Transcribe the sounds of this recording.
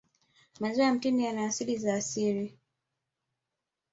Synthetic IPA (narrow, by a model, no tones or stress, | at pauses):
mazɔaam̩tinijanaːsilizaːsiɾi